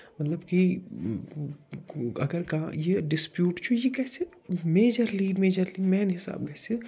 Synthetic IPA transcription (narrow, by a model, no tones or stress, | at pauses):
mɐt̪ləbki | ɐ̰ɡəɾkɐɦã̰jeɖɪspjuːʈt͡ʃʰujekɛːse | meːd͡ʒəɾlimeːd͡ʒəɾlimɛːnɦɪsa̰ːb̚kɛːse